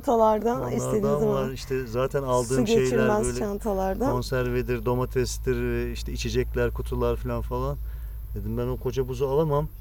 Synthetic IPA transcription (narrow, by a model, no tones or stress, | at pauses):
t̪ʰalˠaɾd̪aisst̪ed̪id̪imaiʃt̪ʰɛzaːt̪ʰænalˠd̪ɯːmɡʃeet͡ʃjlilʲmɛzøjlʲʃant̪ʰalˠaɾd̪ao̞nsæɾved̪iɾd̪o̞mat̪ʰɾɛstd̪iɾvɛiʃt̪ʰɛit͡ʃʰed͡ʒɛclʲæɾkʰut̪ʰulˠaɾfilʲanfalˠan | d̪e̞d̪imbænokʰo̞d͡ʒabuzualˠamam